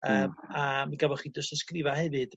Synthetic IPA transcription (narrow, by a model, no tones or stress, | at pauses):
əːmamiɡabɔχiːdʊsəskrɪvahɛvɨd̥